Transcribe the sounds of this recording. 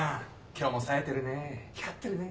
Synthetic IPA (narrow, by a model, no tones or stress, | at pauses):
a | kʲo̞ːmosaet̪e̞ɾɯ̟nekʲat̪ːeɾɯ̟ne